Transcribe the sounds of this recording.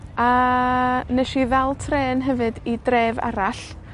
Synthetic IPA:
a | nɛʃivɛlˠtʰreːnɦɛvɨdidreːva̰ɾaɬ

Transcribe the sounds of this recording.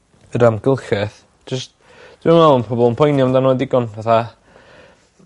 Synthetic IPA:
əɾamɡ̥əlˠxɛθ | d͡ʒəst | d̥wɪənvɛlˠənpʰɔbɔlˠənpʰɔjnjɔmdanoːdɪɡɔnvaθa

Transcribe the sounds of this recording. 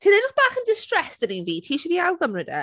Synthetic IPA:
tʰiːnɛdəχb̥aːχəndɪstrɛsd̥əninviːtʰiːʃəviːawɡəmrədə̰

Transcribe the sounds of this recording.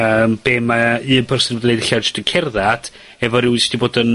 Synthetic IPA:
əːmb̥eːmaɨːnpʰərsɪndoːdənejdɬad͡ʒɪstəkʰɛrðad̥ | ɛvɔɾɪwɪstʰiboːdən

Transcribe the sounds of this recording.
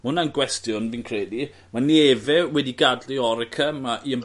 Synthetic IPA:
mʊnanɡwɛstjʊnviːnkʰr̥edi | manevɛwɛdiɡadliɔɾɛkʰəmaʔiəm

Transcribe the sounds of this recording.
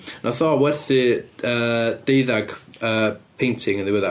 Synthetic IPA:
nʔɔθɔwɛrθɨəːd̥eɨðaɡ̥əːpʰejntʰɪŋənðɪwəða

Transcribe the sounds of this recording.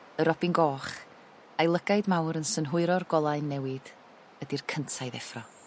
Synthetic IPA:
əɾɔbinɡɔːχ | ajlˠəɡaɨdmawɾənsənɦʊɨɾɔrɡɔlˠaɨnːɛwɨd̥ | ədirkʰəntʰajðɛfrɔ

